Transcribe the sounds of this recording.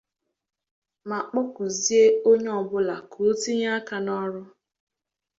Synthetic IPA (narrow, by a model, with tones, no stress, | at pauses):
ma˨k͡pʊ˦ku˨zi˦e˦o˦ɲe˦ɔ˨bʊ˦la˨kʰo˨˦ti˦ɲa˦a˦ka˨nɔ˦ɾʊ˦